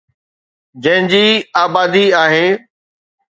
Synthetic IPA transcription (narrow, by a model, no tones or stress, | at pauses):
d͡ʑɐ̃ɦɪ̃d͡ʑiːaːbaːd̪iaːɦeː